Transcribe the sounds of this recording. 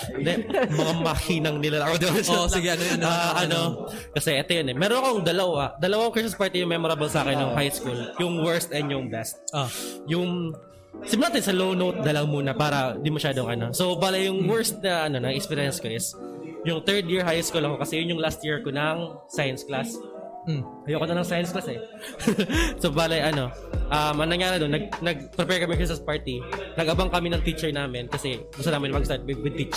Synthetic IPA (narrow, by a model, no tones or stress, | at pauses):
d̪ɛmɐŋamɐhiːnɐŋnɪlɐʔad̪oasɪɡɛɐnojnaʔɐno | kɐsɛʔɛt̪ojonɛmɛːɾonɐkoŋd̪ɐlɐwad̪ɐlɐwakokɹɪs̬mɐspaɹt̪ɛjʊŋmɛmoɾɐbolsaːkɪnːɐŋhajskuljʊŋwɛɹst̪ɛnd̪jʊŋbɛst̪̚ojʊŋ | sɪmʊlaːt̪ɪnsɐlownot̪̚d̪ɐlɐwmuːnɐpaːɾɐd̪ɪmɐʃaːd̪oŋʔɐno̞sowbaːlɐjʊŋwɛɹst̪̚nɐʔɐno̞nɐɪʔkspɛɾɪjɐnsko̞ʔɪsjʊŋt̪ɛɹd̪jɪɹɦajɪskuːlɐkokɐsɛjʊnjʊŋlast̪̚jiɹkonɐŋ | sajɐnsklas | hɐjoʔkonɐnɐŋsajɐnsklasɛ | sobaːlɐjʔɐno̞ | ʔɐmʔɐŋnɐŋjaːɾɪnonːɐɡ̚nɐɡ̚pɾɛpɛɹkɐmikɹɪsɐspaɹt̪inɐɡʔɐbaŋkɐmɪnɐŋt̪it͡ʃɛɹnaːmɪnkɐsɛ | ɡʊst̪ɐnaːmɪnpɐɡst̪aɹt̪̚wɪɡ̪̚wɪd̪̚t̪it͡ʃ